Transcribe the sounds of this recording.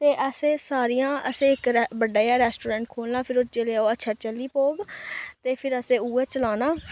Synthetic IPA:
t̪eːʔəseːsaːɾijãːəseːɪkɾbəɖaːjaːɾɛːsʈoːɾɛ̃ːɳʈkʰoːlnãːpʰɪɾʊt͡ʃeleaːoːətːʃʰaːt͡ʃəlːiːpoːɡt̪eːpʰɪɾəsẽːuːɛːt͡ʃəlaːnaː

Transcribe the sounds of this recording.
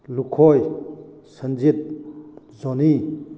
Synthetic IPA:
lukʰoj | sənd͡ʒit̪̚ | zɔni

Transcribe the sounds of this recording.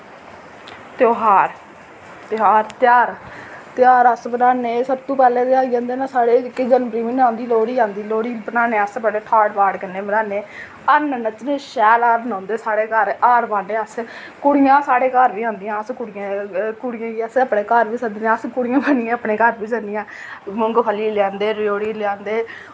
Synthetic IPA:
t̪oːɦaːɾ | t̪ɪɦaːɾt̪ɪjaːɾt̪ɪaːɾəsbənaːneːsəbt̪ũːpɛːlẽːd̪eaːid͡ʒãːnd̪eːnaːsaːɽeːkɪd͡ʒənbɾiːmiːnãːnd̪iːloːɽiːãːnd̪iːloːɽiːbənaːneːəspɛleːʈʰaːɽbaːɽkənːeːbənaːneː | ənnət͡ʃneːʃɛːlaːɾbənãːnd̪eːsaːɽeːkəɾaːɾbaːneːəs | kʊɽɪjãːsaːɽeːkaːɾbiːãːnd̪ɪjãːəskʊɽɪjãːkʊɽɪjãːiːəsəpɽeːkaːɾʋiːsəd̪nẽəskʊɽɪjãːbənɪjãːəpɳẽːkəɾbiːsənɪjãː | mʊŋɡpʰəlːiːlɪjãːnd̪eːɾjoːɽiːlɪãːnd̪eː

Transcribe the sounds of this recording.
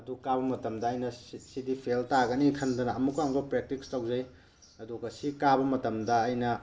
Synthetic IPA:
ɐdukaβɐmɐtɐmdɐːjnɐsidipʰeltaɡɐnikʰɐndɐnɐɐmukːamɡɐpɾek̚tikstawzɐj | ɐduɡɐsikabɐmɐtɐmdɐːjnɐ

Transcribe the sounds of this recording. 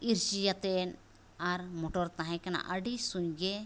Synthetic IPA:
iɾt͡ʃijat̪ɛn | aɾmɔʈɔɾt̪aɦãjkana̰ʔəɖisũjɡe

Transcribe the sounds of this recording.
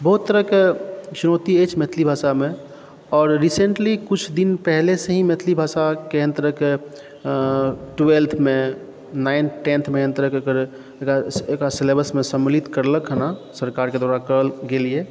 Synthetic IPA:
bəɦut̪ːəɾəket͡ʃuɾot̪iet͡ʃmet̪ʰlibʱasame | ɔːɾːisẽɳʈlikut͡ʃʰd̪inpɛɦleseɦĩmet̪ʰlibʱasakeə̃nt̪əɾəke | ʈwelt̪ʰme | naɪnʈẽnt̪ʰmeənt̪əɾəkokəɾ | ekaekaselebəsmesəmlit̪kəɾləkɦənasəɾkaɾked̪aɾakəəlɡelie

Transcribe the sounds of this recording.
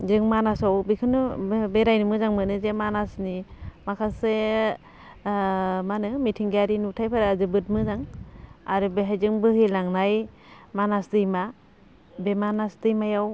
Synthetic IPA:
zɯŋmanasawbikʰɯnɯbeɾajnɯmɯzaŋmɯnɯzemanasnimakʰase | manɯmitʰiŋɡaɾinutʰajpʰaɾaazɯbɯt̚mɯzaŋaɾɯbeɦajzɯŋbɯhɯlaŋnaj | manasdɯjma | bemanasdɯjmajaw

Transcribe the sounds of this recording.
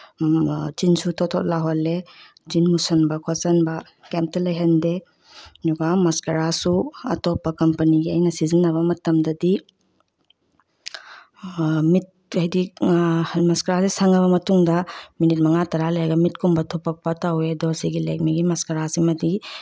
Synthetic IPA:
t͡ʃinsutʰɔtʰɔt̚laɦole | d͡ʒinmusɐnbɐkʰɔsɐnbɐ | kemp̚tɐlɐjɦɐnde | duɡamɐskɐɾasuɐ̰tɔpːɐkɐmpɐniɡiɐjnɐsizinːɐβɐmɐtɐmdɐdi | mit̚ɐjdi | mɐskɐɾasisaŋɐβɐmɐtuŋdɐminit̚mɐŋatɐɾalɐjɡɐmit̚kumbɐtʰopɐk̚pɐtɐwedɔɾsiɡilek̚miɡimɐskɐɾasimɐdi

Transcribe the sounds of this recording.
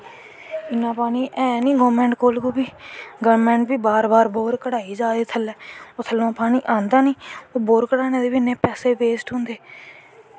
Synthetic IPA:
ɪnːãːpaːniːʔɛ̃ːnĩːɡoːmɛ̃ːɳʈkoːlkuːbiːɡəʋɾmɛ̃ːɳʈʋiːbaːɾbaːɾboːɾkəɽaːiːd͡ʒaːd̪eːt̪ʰəlɛːoːt̪ʰəlõːpaːniːʔãːnd̪aːniːoːboːɾkəɽaːneːd̪eːʋinẽːpɛːseːbeːsʈɦʊ̃nd̪eː

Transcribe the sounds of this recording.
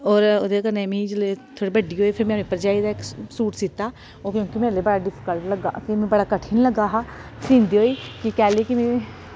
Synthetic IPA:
ɔːɾod̪ekənɛ̃ːmĩd͡ʒlet̪ʰoːɽibəɖiɦoːipʰɪɾmɛ̃ːipəɾd͡ʒaːid̪aeksuːʈsiːt̪ːaː | kjõːkimeːɾlebəɽaɖɪpʰɪ̥kəlʈləɡa̰ːkimɛ̃bəɽaːkəʈʰinləɡaɦaɾĩːnd̪iɦoːiːkikɛːlekimẽ

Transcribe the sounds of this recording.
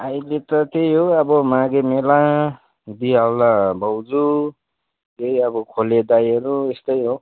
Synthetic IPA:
ajlet̪ʌkejɦoʌbʌmaɡemelã | d̪iawlabʱʌwd͡zu | kejʌbʌkʰoled̪ajʌɾuest̪ʌjɦo

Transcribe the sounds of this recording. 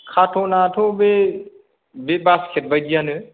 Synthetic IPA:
kʰatʰonaːtʰobe | bebaskʰet̪̚bəd͡ʒijanɨ

